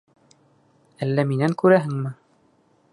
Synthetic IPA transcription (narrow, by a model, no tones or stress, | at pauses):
ælːæminæŋkʉɾæɦɘŋmɘ